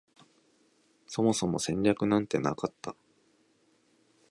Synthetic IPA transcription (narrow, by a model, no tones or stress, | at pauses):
so̞mo̞so̞mo̞sẽ̞ɲɾʲakɯ̟nãnt̪e̞na̰kat̪ːa